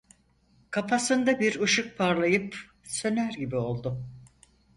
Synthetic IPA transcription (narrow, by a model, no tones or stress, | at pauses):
kʰapasɯnd̪abiɾuʃuk̚pʰaɾlˠajɯp | sø̞næɾɟibio̞lˠd̪ʊ